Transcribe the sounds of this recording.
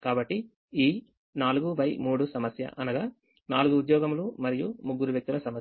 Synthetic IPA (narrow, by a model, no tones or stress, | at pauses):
kaːbɐʈːi | iː | naːluɡuʋɐjmuːɽusɐmɐsjɐ̰ʔɐnɐɡaː | naːluɡuːd̪jɔːɡɐmlumɐɾijumuɡːuɾuʋjɐk̚t̪ulɐsɐmɐ